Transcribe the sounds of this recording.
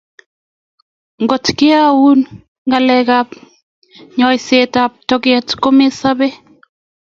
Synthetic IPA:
ŋɡotkeawun | ŋɡalɛkap | ɲɔjsetap̚tɔkɛtkomesabɛ

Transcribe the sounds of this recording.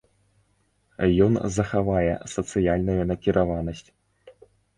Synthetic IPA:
jɔnzɐxavajɛ̰sɐt̪sɨjalʲnujunɐkʲiɾʔavanɐsʲt͡sʲ

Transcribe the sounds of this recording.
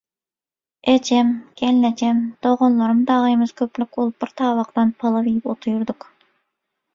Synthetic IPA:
et͡ʃɛmkʲɛlnɛt͡ʃʰɛmd̪̥oʁonlˠoɾɨmd̪ɑʁɨemɪz̥kʲʰøplykʲulˠbiɾt̪ʰɑːwɑqt̪ɑnpʰɑlˠɑvejipot̪ʰujuɾd̪ʊq

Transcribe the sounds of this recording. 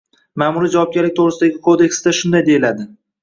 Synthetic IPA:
maːmʊɾid͡ʒavɒp̚ɡʲaɾlːɪk̚ʲt̪ʰoʁɾɪsɪd̪aɡʲɪkʰod̪e̞kʲsd̪aʃʊnd̪ajd̪e̞jɪlad̪ɪ

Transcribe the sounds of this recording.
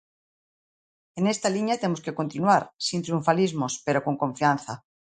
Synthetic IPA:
enest̪aliɲat̪emoskekont̪inwaɾsint̪ɾiuɱfalizmospeɾokoŋkõɱfian̟θa

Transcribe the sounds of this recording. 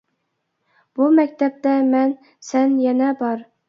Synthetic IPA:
b̥umækʲt̪ap̚t̪amæn | sænjænabɒɾ

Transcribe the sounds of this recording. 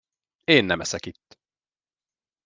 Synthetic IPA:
eːnːɛmɛsɛkit̪ː

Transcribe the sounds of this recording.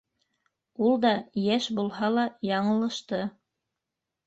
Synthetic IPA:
ulˠd̪ɑjæʃbulˠɦɑlˠɑjɑɴɤ̆lˠɤ̆ʃt̪ɤ

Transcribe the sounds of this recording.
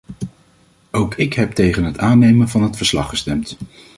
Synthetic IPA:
owkɪkɦɛp̚tejχənɦətaːnejmənvɑnɦətfəɹslɑ̰χəstɛmt

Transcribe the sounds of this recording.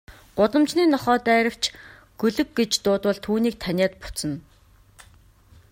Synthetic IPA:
ɢ̥ʊt̪ə̆mt͡ɕniːnɔχɔːt̪æːɾə̆w̥t͡ɕʰ | ɡ̥ɵɮɵ̆kɡet͡ɕt̪ʊːt̪wə̆ɮt̪ʰuːniːk̚t̪ʰænʲaːt̪pʊ̥t͡sə̆n

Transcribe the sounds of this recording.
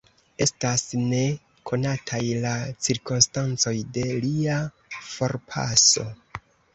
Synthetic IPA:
e̞stasne̞ | kʰo̞natʰajlat͡siɾkonstant͡so̞jde̞lia | fo̞ɾpʰa̰so̞̰

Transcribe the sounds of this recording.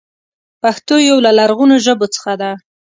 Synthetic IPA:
paxt̪ojawlalaɾɣunoʒəbot͡sə̥xad̪a

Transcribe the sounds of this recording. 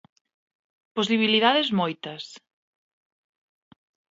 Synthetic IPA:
posiβiliðaðezmojt̪ɐs

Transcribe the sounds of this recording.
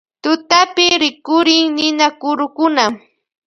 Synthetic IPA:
t̪ʊt̪apɪɾɪkʊɾɪŋnɪnakʊɾʊkʊna

